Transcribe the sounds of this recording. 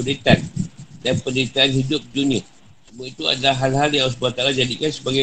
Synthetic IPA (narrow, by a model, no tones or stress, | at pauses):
det̪andanpəndit̪aːnɦidʊp̚d͡ʒunĩa | sumait̪ua̰dalaɦalɦaljas̬əbuat̪aɾad͡ʒadikansəbaɡa